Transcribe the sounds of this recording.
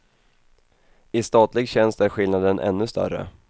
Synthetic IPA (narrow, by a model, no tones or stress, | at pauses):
ɪst̪ɑːt̪lɪɡɕɛnst̪æɾɧɪlnad̪ənʔɛ̰nːɵst̪œ̰rə̰